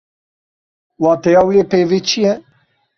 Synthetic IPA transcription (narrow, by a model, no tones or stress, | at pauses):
wɑːt̪ɛjɑːwijepeːvet͡ʃʰijɛ